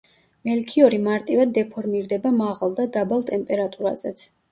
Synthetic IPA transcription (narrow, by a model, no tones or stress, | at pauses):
mɛlkʰiɔɾimaɾt̪ʼivad̪ːɛpʰɔɾmiɾd̪ɛbamaʁalˠd̪ad̪abalˠt̪ʼɛmpʼɛɾat̪ʼuɾa̰zɛt̪sʰ